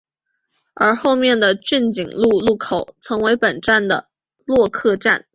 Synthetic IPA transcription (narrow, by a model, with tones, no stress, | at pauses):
ə̰˞˧˥xo˥˧ʊmjɛ˥˩nd̪ə˩t͡ɕy˥˩nt͡ɕi˨˩ŋlu˥˧lu˥˩kʰo˨˩˦ʊt͡sʰɤ˧˥ŋwe˧˥ɪpə˨˩nʈ͡ʂa˥˩nd̪ə˩ | lwɔ˥˧kʰɤ˥˧ʈ͡ʂa̰˥˩n